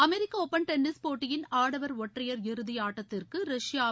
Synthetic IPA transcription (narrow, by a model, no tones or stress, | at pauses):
ɐmɛɾɪkːɐɔpːɐnʈɛnːɪspoːʈːɪjɪnaːɽɐʋɐɾɔʈrɐjɐɾɪɾɯðɪjaːʈːɐt̪ːɪrkɯɾɐʂjaː